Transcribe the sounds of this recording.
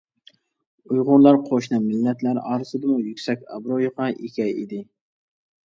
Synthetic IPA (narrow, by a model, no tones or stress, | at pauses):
ujʁʊnlˠɑɾqʰoʃnɨmɪlːɛt̪læɾɑːɾɨsɨd̪ɨmujykʲsɛkʲɑ̰bɾojoqɑʔekʲʰɛjid̪ɪ